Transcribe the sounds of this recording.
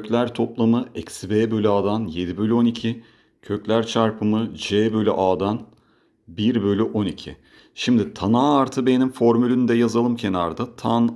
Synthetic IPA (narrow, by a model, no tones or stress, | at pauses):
øklʲæɾt̪ʰo̞plˠamɯɛcsbeːbølʲyaːd̪anje̞d̪ibø̞lʲyo̞nicʰi | cʰø̞clʲæɾt͡ʃʰaɾpʰɯmɯd͡ʒeːbø̞lʲy̰ʔaːd̪an | biɾbø̞lʲyʔo̞nicʰḭ | ʃimd̪it̪ʰanaːɾt̪ʰɯbe̞nimfo̞ɾmylʲynyd̪ɛjazalˠɯmcʰe̞na̰ɾd̪at̪ʰan